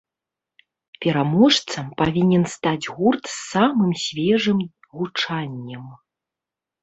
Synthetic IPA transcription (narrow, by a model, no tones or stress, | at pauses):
pʲɛɾamɔʂt̪sɐmpavʲinʲɛnst̪ad͡zʲɣurt̪sːamɨmsʲvʲɛʐɨm | ɣut͡ʂanʲːɐm